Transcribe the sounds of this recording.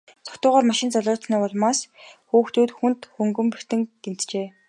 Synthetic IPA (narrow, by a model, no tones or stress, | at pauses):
t͡sʰɔ̥kt̪ʊːʁaːrmaʃɪ̆nt͡sɔɮʲʊːt͡sniːpɔɮmaːsxuːxt̪uːt̪xunt̪xɵŋɡɵ̆mpir̥t̪ɘ̆ŋɡ̥en̥t̪t͡ɕeː